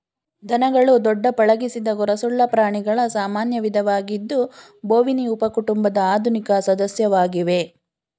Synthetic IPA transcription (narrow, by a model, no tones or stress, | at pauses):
d̪ʱɐnɐɡɐɭud̪ɔɖːɐpɐɭɐɡisid̪ɐɡɔɾɐsuɭːɐpɾaːɳiɡɐɭɐsaːmaːnjɐʋid̪ʱɐʋaːɡid̪ːu | boːʋiniupɐkuʈumbɐd̪ɐaːd̪ʱunikɐsɐd̪ɐsjɐʋaːɡiʋe̞